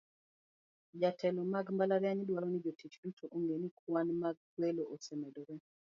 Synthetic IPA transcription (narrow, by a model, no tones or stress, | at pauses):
d͡ʒatʰɛlɔmaɡmbalaɾjaɲdwaɾɔnid͡ʒotit͡ʃdutʰoʔoŋɡenikwanmaɡ̚kweloʔosɛmɛdɔɾɛ